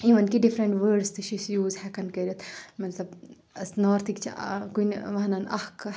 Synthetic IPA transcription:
iʋɐnkiɖifɾɐɳʈʋəːɖst̪ɨʃisjuːzhɛkɐnkɐɾʲit̪mɐt̪lɐb | ɐsnoːɾt̪ikt͡ʃʰḭkunʋɐɦnɐnɐ̰hk

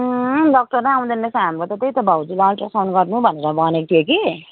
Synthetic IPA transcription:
ɖʌk̚ʈʌɾnãaw̃d̪enːesãamkot̪ʌt̪ejt̪ʌbʱawd͡zilalʈʌsanɡʌrnubʱʌneɾʌbʌnek̚t̪ʰijoki

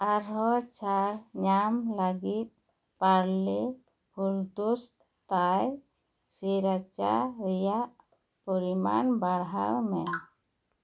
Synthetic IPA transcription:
aɾɦɔt͡ʃʰaɾɲamlaɡit̪̚ | paɾle | huɾd̪ust | t̪aj | siɾat͡ʃa̰ɾɛjaʔ | pɔɾima̰nbaɾɦaɾmɛ

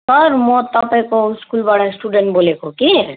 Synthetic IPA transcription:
sɔɾmɔ̃t̪apekoskulbaɽasʈuɖeɳʈbolekʰoki

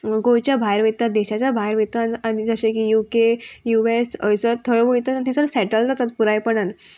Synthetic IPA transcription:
ɡojt͡ɕjabʱajɾʋit̪ːad̪eɕat͡ɕjabʱajɾʋit̪ananid͡zəɕẽkijukejuesə̰sət̪ʰəjʋəit̪əant̪ʰesəɾsɛʈəld͡zat̪at̪̚puɾajpəɳan

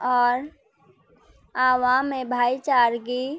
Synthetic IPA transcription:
ɔːɾ | aːʋaːmːẽbʱaːit͡ʃaːɾɡi

